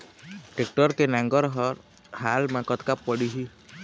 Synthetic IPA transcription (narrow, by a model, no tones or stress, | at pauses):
ʈek̚ʈɔɾt̪enaŋɡɔɾɦɔɾ | halmãkɔt̪kapːɔɽiɦi